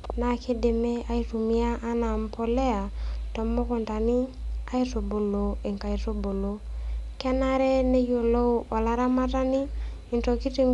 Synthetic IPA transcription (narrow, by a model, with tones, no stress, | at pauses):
na˨ke˦de˨me˦a˦i˦tu˨mi˦a˦ʔːna˨mpo˨le˦a˨tɔ˨mːo˦kʊ˨nta˨ni˦a˦i˦to˨bo˨lo˨e˨ŋka˨i˨to˦bo˨lo˨kɛ˦na˦ɾɛ˦ne˦jo˨lo˦ɔ˨la˦ɾa˦ma˦ta˦ni˦ | i˨nto˨ki˦te˨ŋ